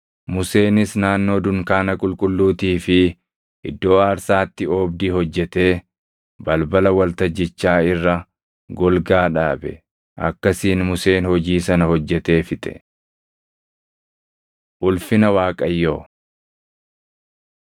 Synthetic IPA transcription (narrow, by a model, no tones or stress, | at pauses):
mʊse̞ːnɪsnaːnːo̞ːd̪ʊŋkaːnɐkʼʊlkʼʊlːuːt̪iːfɪ | ʔɪd̪ːo̞ːaːɾsaːt̪ːɪoːbd̪iːhɔd͡ʒːɛt̪e̞ː | bɐlbɐlɐwɐlt̪ɐd͡ʒːɪt͡ʃːaːɪrːɐ | ɡɔlɡaːᶑa̰ːbɛ̰ | ʔɐ̰kːɐsiːnmʊse̞ːnhɔd͡ʒiːsɐnɐhɔd͡ʒːɛt̪e̞ːfɪt̪ʼɛ̰ | ʔʊlfɪnɐwaːkʼɐjːoː